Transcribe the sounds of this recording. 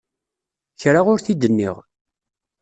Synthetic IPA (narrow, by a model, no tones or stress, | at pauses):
çɾaʁʊɾθid̪ənːɪ̰ʁ